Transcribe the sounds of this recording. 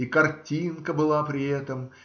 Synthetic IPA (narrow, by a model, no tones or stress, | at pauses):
ikɐrtʲinkəbɨlˠapɾʲɪɛt̪əm